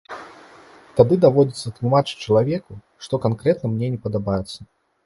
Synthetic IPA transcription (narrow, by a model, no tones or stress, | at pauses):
t̪ad̪ɨd̪avɔd͡zʲɪt̪sːɐt̪lˠumat͡ʂɨ̥t͡ʃɐlˠavʲɛku | ʂt̪ɔkankɾɛt̪nɐmnʲɛnʲɛpɐd̪abajɛt̪sːɐ